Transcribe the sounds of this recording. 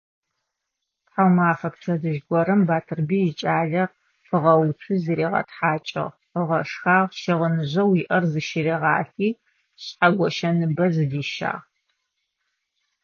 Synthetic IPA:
tħawmaːfɐpt͡ʃʰɐdɨʒɡʷɔɾɐmbaːtʰɨrbiːjɪt͡ʃʼaːɮɐ | fɨʁɐwt͡sʷʰʊziɾeːʁɐ̰tħaːt͡ʃʼɪ̰ʁ | əʁɐʂxaːʁʃɪʁənɨʑʷɐwiʔɐrzɨʃɪreːʁɑ̰ːɬiː | ɕʼħaɡʷɔʃɐnɨbɐzɨdiːʃa̰ːʁ

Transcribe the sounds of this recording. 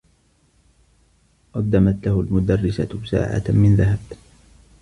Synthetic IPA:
qɑd̪ːamat̪lahʊlmʊd̪ɑrːɪsasa̰ːʕa̰mɪnðaɦab

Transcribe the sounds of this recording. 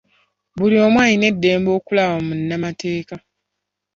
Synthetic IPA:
βulio̞mwaːɲine̞dːe̞ːmbo̞ːkulawamunːamate̞ːka

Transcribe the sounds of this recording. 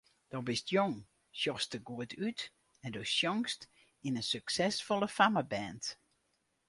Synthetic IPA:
d̥obɪstjoŋ | sjɔxstəɡuətʰyt | ɛndosjɔŋst | inənsyksɛsfɔlˠəfaməbɛːnt

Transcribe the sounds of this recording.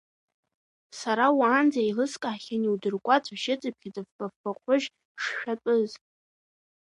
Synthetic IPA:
saɾawaːnd͡zajlɨskʼaːχʲaniwdɨrkʷʼat͡sʷʼʃɪt͡sʼɨp̚ɡʲadɨvpʼavpaqʷʰʼʊʒ | ʂʃᶣapʼɨz

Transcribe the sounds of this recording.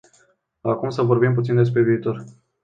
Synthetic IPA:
akumsəvo̞rbimp̬ut̪sind̪es̬pɾe̞viːt̪o̞r

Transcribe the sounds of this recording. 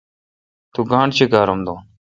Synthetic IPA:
t̪uːɡãːɳt͡ʃʰeːkaːɾʊ̃ːnd̪õː

